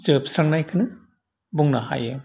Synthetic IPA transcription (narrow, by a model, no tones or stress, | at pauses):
zɯpsaŋnajkʰɯnɯ | buŋnaɦa̰jɯ